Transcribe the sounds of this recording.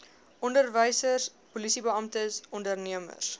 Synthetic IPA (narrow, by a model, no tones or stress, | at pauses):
ʔɔndərvəjsərs | pulisibəɐmtəsɔndərniəmə̰s